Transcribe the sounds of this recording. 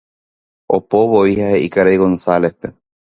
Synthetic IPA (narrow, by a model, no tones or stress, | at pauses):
opoβoihaheʔikaɾejɣonsalehpe̞